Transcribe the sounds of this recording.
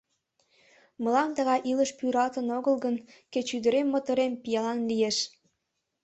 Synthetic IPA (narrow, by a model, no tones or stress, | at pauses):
mə̆lɑnt̪əɣɑʔiləʃpyɾɑlt̪ənoɣəlɡən | ket͡ɕyd̪əɾemːot̪oɾempijɑlɑnlijeʃ